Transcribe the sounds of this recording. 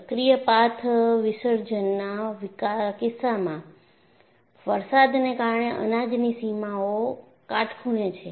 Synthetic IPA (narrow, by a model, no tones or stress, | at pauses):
əkɾijəpat̪ʰʋɪsəɾd͡ʒənːaʋkakɪsːamã | ʋəɾsad̪nekaɾɳeʔə̰nad͡ʒnisimao | kaʈʰkʰuɳet͡ʃʰe